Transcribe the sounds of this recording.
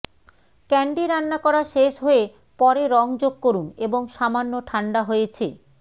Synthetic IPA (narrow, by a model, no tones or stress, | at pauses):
kɛɳɖiɾanːakɔɾaʃeʃɦoe | pɔɾeɾɔŋd͡ʑoɡ̚koɾuneboŋʃamanːoʈʰaɳɖaɦojet͡ɕʰḛ